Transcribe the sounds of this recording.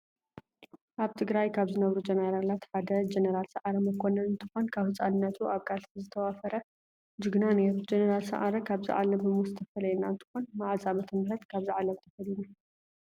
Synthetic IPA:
ʔaβt̪ʰɨɡɾajkʰaβzɨnɐβɾud͡ʒenɐɾalat̪ħad̪ɐd͡ʒenɐɾalsɐʔaɾɐmɨkʰonɐnɨnt̪ʰɨxo̞nkʰaβhɨt͡sʼanɨnːɐt̪ʰuʔaβkʼalt̪izɨt̪ʰɐwafɐɾɐ | d͡ʒuɡnanet̪d͡ʒenɐɾalsɐ̰ʔaɾɐkʰaβzɨ̰ʕa̰lɐmɨmuzɨt̪ʰɐfɐlɐjɛnaɨnt̪ʰɨ̥xo̞nmaʕazʼamɐt̪ʰɐmɨɾɐt̪kʰaβzɨʕalɐmt̪ʰɐfɐlinu

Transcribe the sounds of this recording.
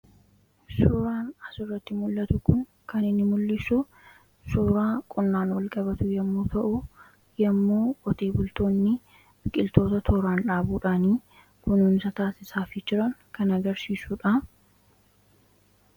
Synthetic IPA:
suːɾaːnɐsʊrːɐt̪ːɪmʊlːɐt̪ʊkʊŋ | kɐnɪnːɪmʊlːɪsʊ | suːɾaːkʼʊnːaːnwɐlkʼɐbɐt̪ʊjɛmːuːt̪ʰɐʔʊ | jɐmːuːʔɔt̪e̞ːbʊlt̪o̞ːnːɪ | b̥ɪkʼɪlt̪o̞ːt̪ɐt̪ʰoɾaːnᶑaːbuːᶑaːniː | kʊnuːnɪsɐt̪aːsɪsaːfɪd͡ʒɪɾɐŋkɐnɐɡɐɾsiːsuːᶑa

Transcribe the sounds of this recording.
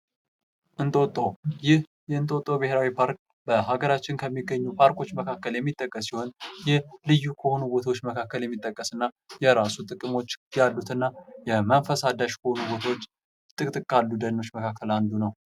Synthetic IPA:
ʔɨnt̪ʼo̞t̪ʼːowjɪh | jɛɨnt̪ʼo̞t̪ʼːobɨheɾawipʰaɾk̚ | bəɦaɡəɾat͡ʃːɪnkʰəmːiɡːəɲːupʰaɾkʰo̞t͡ʃːməkʰakːəljɛmːit̪ʼːəkʼːəs̬ːiho̞njɛhlɨjːukʰəho̞nubo̞t̪ʰawot͡ʃːməkʰakːəljɛmːit̪ʼːəkʼːəsɨnːa | jɛɾasut̪ʼɨkʼɨmo̞t͡ʃːjalːut̪ʰɨnːajɛmənfəsad̪aʃkʰəho̞nubo̞t̪ʰawot͡ʃː | t̪ʼɨkʼt̪ʼɨkʼːalːud̪ənːo̞t͡ʃːməkʰakʰːəland̪unəw

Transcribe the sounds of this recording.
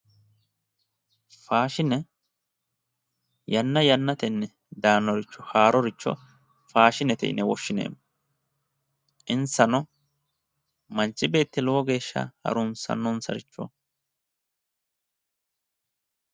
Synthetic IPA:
faːʃɪnɛ | jɐnːɐjɐnːɐt̪ɛnːɛ | d̪aːnːɔɾɪt͡ʃːɔhaːɾɔɾɪt͡ʃːɔ̰ | faːʃɪnɛt̪ɛ̰ɪ̰nɛwɔ̰ʃːɪnḛːmːɔ | ʔɪnsɐnɔ | mɐnt͡ʃːɪbe̞ːt̪ːɪlɔɔɡe̞ːʃːɐ̰hɐ̰ɾʊnsɐ̰nːɔnsɐɾɪt͡ʃːɔ̰

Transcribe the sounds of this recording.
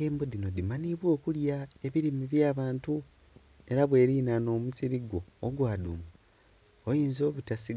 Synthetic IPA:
eːmbod̪inod̪imaniβwo̞ːkuljae̞βiɾimiβjaːβaːntu | e̞ɾaβwe̞ːɾiːnano̞ːmusiɾiɡo̞ːɡwaːduːma | ojiːnzo̞ːβutasi

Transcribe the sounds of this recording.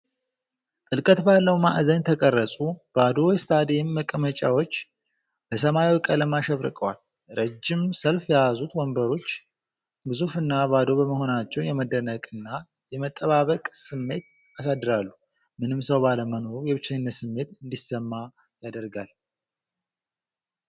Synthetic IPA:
t̪ʼɨlkʼət̪balːəwma̰ʔzəɲt̪ʰəkʼərːəsʼub̥ad̪o̞jɛst̪ʰʼad̪ijɪmːəkʼəmət͡ʃʼawo̞t͡ʃː | b̥əsəmajwikʼələmaʃɛβɾɨ̰kʼəwal | ɾəd͡ʒːɪmsəlfjajazut̪wɔmbəɾo̞t͡ʃː | bɨzufɨnːabad̪o̞bəməɦo̞nat͡ʃːɛwnjɛməd̪ənəkʼɨnːa | jɛmət̪ʼːəβaβəkʼsɨmːe̞t̪̚ | asad̪ːɨɾalːu | mɨnɨmsəwbaləməno̞ɾujɛβɨt͡ʃːaɲnːət̪sɨmːe̞t̪ɨnd̪isəmːa | jad̪əɾɡal

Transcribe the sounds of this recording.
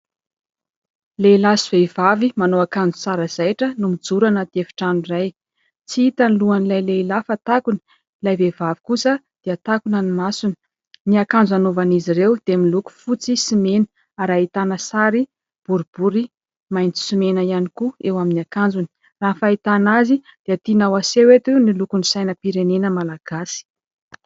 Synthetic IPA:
leilasuvevavimanoakand͡zu̥saɾəz̥ajʈ͡ʂənumid͡zuɾanət̪iefi̥ʈ͡ʂanuraj | t͡siit̪aniluanilajlelafət̪akuni̥ | lajvevavi̥kusə | d̪̥eət̪akunənimasuni̥ | niakand͡zanovanizirewd̪̥emiluku̥fut͡sisimenə̥ | aɾait̪anəsaɾi | b̥uɾub̥uɾi | majnt͡si̥sumenəianikuewaminiakand͡zuni̥ | raɦfait̪anazid̪̥eat̪inawasewet̪unilukunisajnəpiɾenenəmalaɡ̥asi̥

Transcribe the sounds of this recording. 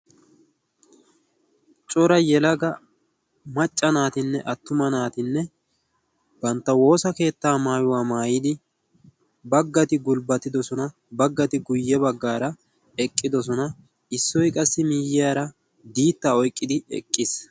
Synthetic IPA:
t͡ʃʼɔɾɐjɛlɐɡɐ | mɐt͡ʃʼːɐnaːt̪ɪnːɛʔɐt̪ːʊmɐnaːt̪ɪnːɛ | b̥ɐnt̪ːɐwo̞ːsɐke̞ːt̪ːaːmaːjʊwaːmaːjɪd̪ɪ | bɐɡːɐt̪ɪɡʊlbɐt̪ːɪd̪ɔsɔnɐ | bɐɡːɐt̪ɪɡʊjːɛbɐɡːaːɾɐ | ɛkʼːɪd̪ɔs̬ɔnɐ | ɪsːɔjkʼɐsːɪmiːjɪjaːɾɐ | d̪iːt̪ːaːɔjkʼːɪd̪ɪɛ̰kʼːɪs

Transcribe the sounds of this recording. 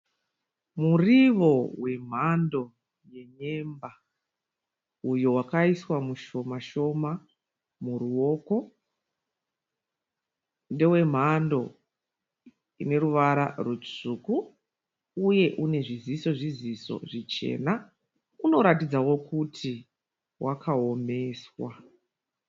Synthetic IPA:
muriʋo̞we̞m̤ando̞ | je̞ɲe̞mba | ujowakaiswamuʃo̞maʃo̞ma | muruo̞ko̞ | nde̞we̞m̤ando̞ | ḭne̞ɾuʋaɾa̰rut͡ʂuːkuː | je̞ʔune̞ʐiziso̞ʐiziso̞̰ʐit͡ʃe̞̰ːna | uno̞ɾatid͡zawo̞kutʰi | wʔakʰao̞me̞swa̰

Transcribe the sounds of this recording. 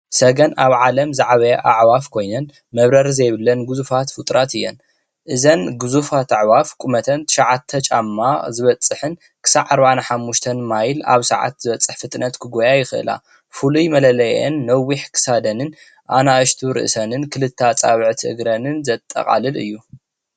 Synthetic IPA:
sɐɡɐnaβʕalɐmzaʕaβɐjʔaʕwafkʰo̞jnɐn | mɐβɾɐɾzɐjβɨlːɐnɡɨzufat̪fɨt̪ʼɾat̪ɨjːɛn | ʔɨzɐnɡɨzufat̪aʕwafkʼumɐt̪ʰɐnt̪ʰɨ̥ʃaʕat̪ʰːɐt͡ʃʼamːazɨβɐt͡sʼːɨħɨn | kʰɨ̥saʕaɾbaʕanaħamːuʃt̪ʰɐnmajla̰βsɐ̰ʕa̰t̪zɨβɐt͡sʼːɨħfɨt̪ʼnɐt̪kʰɨɡojajɪxɨʔɨ̰la̰ | fulujmɐlɐlɐjʔenːɐwiħkʰɨ̥sad̪ɐnɨn | ʔanaʔɨʃt̪ʰuɾɨ̰ʔsɐnɨnkʰɨlɨt̪ʰːat͡sʼaβɨʕt̪ʰʔɨ̰ɡɾɐnɨnzɐt̪ʼːɐ̰qʼa̰lɨlɨ̰jːu

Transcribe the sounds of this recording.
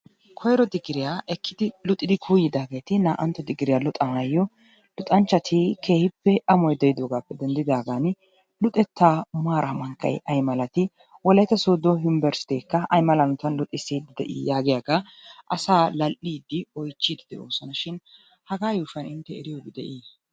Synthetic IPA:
kʰɔjɾɔd̪ɪɡːɪɾɪjaʔɛkʰːɪd̪ɪlʊt̪ʼːɪd̪ɪkʰuːjɪd̪aːɡe̞ːt̪ɪnaːʔɐnt̪ːɔd̪ɪɡːɪɾɪjalʊt̪ʼɐmɐjːɔ | lʊt̪ʼɐnt͡ʃːɐt̪ʰɪkʰe̞ːhɪpːɛʔɐmɔjd̪ɛjɪd̪oːɡaːpːɛd̪ɛnd̪ɪd̪aːɡan | lʊt̪ʼːɛt̪ːaːmaːɾʔɐmɐŋkːɐ̰jɐjmɐlɐt̪ɪ | wɔlɐjt̪ɐsoːd̪ɔɦɪmbɛɾst̪eːkːɐʔɐjmɐlɐnɔt̪ɐnlʊt̪ʼːɪsiːd̪ɪd̪ɛ̰ʔḭːjaːɡɪjaɡɐ | ʔɐsaːlɐlʔiːd̪ːɪɔjt͡ʃːid̪ɪd̪ɛʔo̰ːsɐnɐʃɪn | hɐɡaːjuːʃɐnɪnt̪ːɛɛɾɪjɔbɪd̪ɛ̰ʔiː

